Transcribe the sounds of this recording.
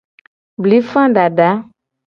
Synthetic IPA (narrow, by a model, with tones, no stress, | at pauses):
bli˨˦fã˦ɖa˨ɖa˨˦